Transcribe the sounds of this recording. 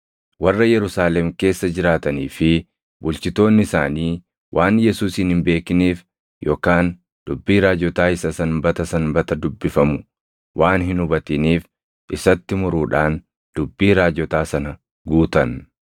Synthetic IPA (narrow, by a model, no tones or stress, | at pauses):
wɐrːɐjɛɾʊsaːlɛmke̞ːsːɐd͡ʒɪɾaːt̪ɐniːfɪ | bʊlt͡ʃɪt̪o̞ːnːɪɪsa̰ːniː | wʔaːnjɛsuːshɪnhɪmbe̞ːkɪniːf | jʔo̞ːkaːn | d̪̥ʊbːiːɾaːd͡ʒɔt̪aːɪsɐsɐnbɐt̪ɐsɐnbɐt̪ɐd̪ʊbːɪfɐmʊ | wʔaːnɦɪnʊbɐt̪ɪniːf | ʔɪsɐt̪ːɪmʊɾuːᶑaːn | d̪̥ʊbːiːɾaːd͡ʒɔt̪aːsɐnɐ | ɡuːt̪ɐn